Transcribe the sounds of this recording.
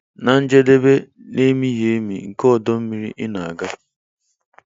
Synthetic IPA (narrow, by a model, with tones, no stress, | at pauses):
na˨n̩˦d͡ʒe˦de˦be˦ | ne˦mi˦je˨˦mḭ˨ŋ̩˨kɔ˦˨dɔ˦m̩˦mi˦ɾḭ˦ʔɪ˦na˨a˨ɡa˦